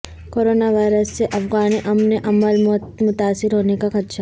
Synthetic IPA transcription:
koɾoːnaʋaːɪɾəsːeʔɐfɡaːniʔɐmneʔɐməlmɔmʊt̪aːsːɪɾɦoːnekakʰɐt̪ʃa

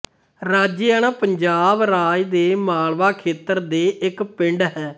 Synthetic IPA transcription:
ɾaːd͡ʒiɛːɽaːpəɲd͡ʒaːbɾaːjd̪eːmaːlʋaːkʰeːt̪əɾd̪eːʔɪkpɪɳɖɦɛː

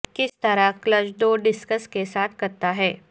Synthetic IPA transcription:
kɪst̪ɐɾakləd͡ʒd̪oːɖɪskəskesaːt̪ʰkɐɾt̪aɦɛː

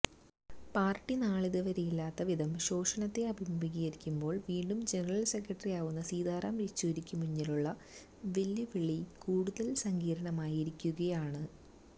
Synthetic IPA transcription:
paːrʈːinaːɭiðɐʋɐɾɐjilːaːt̪ːɐʋid̪ʱɐmɕo̞ːʂɐnɐt̪ːe̞ɐbʱimʱɐmiɣijɐɾikʲːumbo̞ːɭʋiːɳɖumd͡ʑenɐrɐlse̞kɾɐʈːɐrijaːʋunːɐsiːd̪ʱaːɾaːmɾit͡ɕːuɾikʲːumuɲːiluɭːɐ | ʋelːiʋiɭikuːɽuðɐlsɐŋɡiːɾɐɳɐmaːjiɾikʲːuɣɐjaːɳɨ

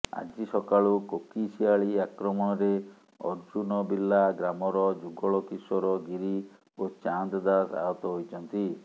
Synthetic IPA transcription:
a̰d͡ʒisɔkaɭukokisiaɭiakɾɔmɔɽ̃ɔɾe | ɔ̰ɾd͡ʒunɔbilːaɡɾamɔɾɔd͡ʒuɡɔɭɔkisɔɾɔɡiɾi | ot͡ʃand̪ɔd̪asa̰ɦɔt̪ɔɦojt͡ʃʰɔnt̪i

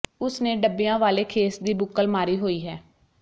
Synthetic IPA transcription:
ʊsnẽːɖəbːɪjãːʋaːleːkʰeːsd̪iːbʊkːəlmaːɾiːɦoːiːɦɛː

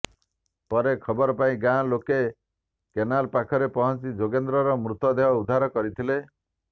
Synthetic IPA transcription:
pɔɾekʰɔbɔɾɔpaĩɡãloke | kenalpakʰɔɾepɔɦɔnt͡ʃid͡ʒoɡend̪ɾɔɾɔmɾut̪ɔd̪eɦɔud̪ʱaɾɔkɔɾit̪ʰile

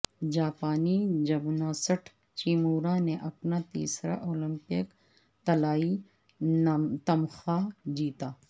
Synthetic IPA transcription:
d͡ʒaːpaːnid͡ʒɐbnaːsəʈʰ | t͡ʃiːmuːɾãneʔɐpnat̪ḭːsɾa̰ʔoːlɪ̃mpɪk | t̪ɐlaːi | t̪ɐmxad͡ʒiːt̪aː

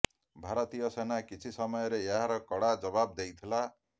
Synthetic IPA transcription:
bʱaɾʌt̪ijʌsenakit͡ʃʰisʌmʌjɔɾeeɦaɾɔkɔɽad͡ʒʌbab̚d̪ejt̪ʰila

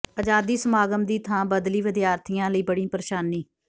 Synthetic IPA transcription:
əd͡ʒaːd̪iːsəmaːɡəmd̪iːt̪ʰãːbəd̪liːʋɪd̪jaːɾt̪ʰijãːləiːbəɽĩːpəɾeːʃaːniː

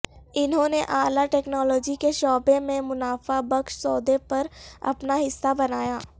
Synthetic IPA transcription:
ɪnɦõːneʔaːlaʈɛːknɔːlɔːd͡ʒikeʃɔːbẽmẽmʊnaːfabɐkʃsɔːd̪epɐɾɐ̰pnaɦɪsːabɐnaːjaː

